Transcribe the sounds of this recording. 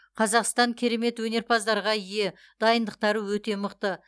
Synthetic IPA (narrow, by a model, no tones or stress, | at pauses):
qʰɑzɑqst̪ɑŋkʲʰeɾe̞me̞t̪wɵne̞ɾpʰɑzd̪ɑɾʁɑije̞ | d̪̥ɑjənd̪əq̚t̪ɑɾəwɵt̪e̞məqt̪ə